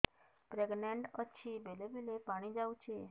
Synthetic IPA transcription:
pɾɛɡneɳɖət͡ʃʰibelebelepaɽ̃id͡ʒaʋut͡ʃʰe

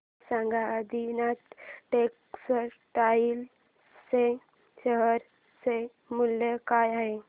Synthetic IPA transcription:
sãŋɡaəd̪inat̪ʈek | səɾ | ʈail | se | ɕəɦəɾ | se | muljekajaɦe

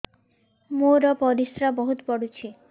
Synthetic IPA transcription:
moɾɔpɔɾisɾabɔɦut̪pɔɽut͡ʃʰi

